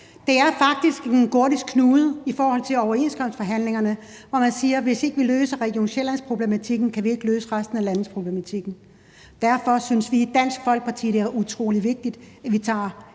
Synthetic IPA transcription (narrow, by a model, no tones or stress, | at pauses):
d̥e̝æɐfɑ̈ɡ̥̚d̥isɡ̥enkʰo̝ɐ̰ɾisɡ̥kʰnuːð̩ˠifɒːhɒ̽l̰t͡sʰe̝lɒʊɐe̝̰nskʰɒ̽m̰sd̥fɒɦæn̰le̝ŋɐnə | ʋɒmænsiːɐʋe̝se̝ɡ̥əʋiløːsəʁɛɡ̥jo̝ːnɕelænspʰʁo̝b̥le̝mæt͡sʰiɡ̥n̩kʰæʋie̝ɡ̥løːsəʁasd̥n̩ælænð̩ˠspʰʁo̝b̥lemæt͡sʰiɡ̥n̩ | d̥æɐfɒ̽synsʋiːd̥æn̰sɡ̥fɒ̽l̰ɡ̥̚pʰɑ̈t͡sʰḭːd̥e̝æɐʔut͡sʰʁo̝̰ːliʋe̝ɡ̥̚d̥id̥æʋit͡sʰɑ̰̈ː